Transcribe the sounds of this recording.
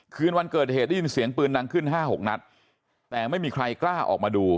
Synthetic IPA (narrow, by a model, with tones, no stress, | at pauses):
kʰɯː˧nwa˧nkɤː˨˩t̪̚heː˨˩t̪̚da˥˩ji˧nsi˨˩˦əŋpɯː˧nːa˧ŋkʰɯ˥˩nɦaː˥˩ɦo˨˩k̚na˦˥t̪̚ː | ɛː˨˩ma˥˩jmiː˧kʰɾa˧jklaː˥˩ʔɔ̰ː˨˩k̚maː˧duː˧